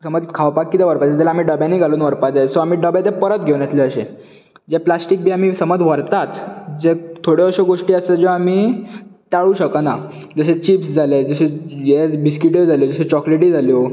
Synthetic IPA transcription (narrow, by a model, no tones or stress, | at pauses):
səməd͡zkʰaʋpakːit̪ẽʋəɾpad͡zat̪alaːmiːɖəbjãniːɡʱaluːnʋəɾpad͡zasoamiːɖəbjat̪epəɾət̪̚ɡʱewnjet̪leəɕẽ | d͡ʑeplasʈik̚biːam̤iːsəməd͡zʋəɾt̪at̪d͡zet̪ʰoɽeəɕeɡoʂʈiːəsed͡ʑoamiːt̪aɭũːɕəkəna | d͡zəɕet͡ɕiːpsd͡zʱaled͡zəɕejebiskiʈid͡zʱaljod͡zəɕet͡ɕɔkleʈid͡zʱaljo